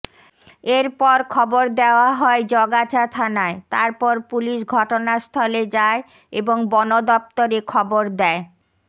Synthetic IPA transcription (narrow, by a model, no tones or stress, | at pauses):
eɾpɔɾkʰɔboɾd̪eoaɦɔed͡ʑɔɡat͡ɕʰat̪ʰanaet̪aɾpɔɾpuliʃɡʱɔʈonast̪ʰɔled͡ʑae | eboŋbɔnod̪ɔp̚t̪oɾekʰɔboɾd̪ɛe